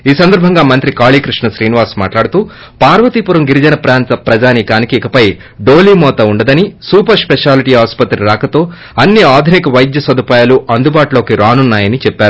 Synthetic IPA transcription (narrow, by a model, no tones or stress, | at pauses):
iːsɐnd̪ɐɾbʱɐŋɡaːmɐnt̪ɾikaːɭiːkɾiʂɳɐʃɾiːniʋaːsma̰ːʈlaːɽut̪uː | paːɾʋɐt̪ipuɾɐmɡiɾid͡ʒɐnɐpɾaːnt̪ɐpɾɐd͡ʒaːnikaːnikiːkɐpɐj | ɖo̞ːliːmɔːt̪ɐuɳɖɐd̪ɐnisuːpɐɾspeʂaːliʈiːɦaːspɐt̪ɾiɾaːkɐt̪o̞ː | ɐnːiaːd̪ʱinikɐʋɐjd̪jɐsɐd̪upaːjaːluʔɐnd̪ubaːʈlo̞ːkiɾaːnunːaːjɐnit͡ʃɛpːaːɾu